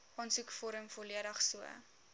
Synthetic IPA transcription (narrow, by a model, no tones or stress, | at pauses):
ʔɑnsukfɔɾəmfɔliəɾəχsuə̰